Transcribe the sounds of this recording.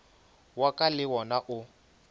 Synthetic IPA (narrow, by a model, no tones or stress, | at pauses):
wakʼalɪwɔnaʔʊ